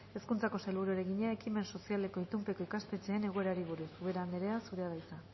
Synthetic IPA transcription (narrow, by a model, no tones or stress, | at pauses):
e̞skunt͡sako̞sajlβuɾueɾe̞ɣiɲae̞kime̞nso̞siale̞ko̞it̪umpe̞ko̞ikast̪e̞t͡se̞ːne̞ɣ̞oe̞ɾaɾiβ̞uɾusuβe̞ɾaːnd̪eɾeasuɾeaðajsa